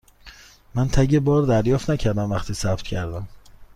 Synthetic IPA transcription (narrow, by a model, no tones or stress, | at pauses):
mænt̪ʰæɟebɒːɾd̪æɾjɒːft̪næcʰæɾd̪æmvæxt̪ʰiːsæbt̪cʰæɾd̪æm